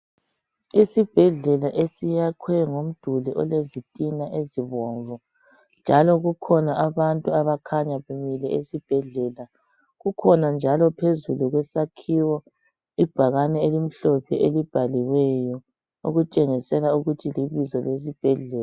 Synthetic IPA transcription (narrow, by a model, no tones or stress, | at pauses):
isib̥ʱɛɮɛlaʔesijakʰwɛŋom̩d̥ʱuliʔɔ̰lezitʼinaʔeziβɔɱvɔ | nd͡ʒʱalɔɣukʰɔnaʔaβantʼuaβakʰaɲaβumilɛesib̥ʱɛɮɛla | ɣukʰɔnand͡ʒʱalɔpʰezuluɣwɛsakʰiwɔ | ib̥ʱaɣanɛelim̩ɬɔpʰɛʔelib̥ʱaliwɛjɔ | o̰ɣut͡ʃʼeŋisɛlauɣutʰiliβizɔles̬ib̥ʱɛɮɛːla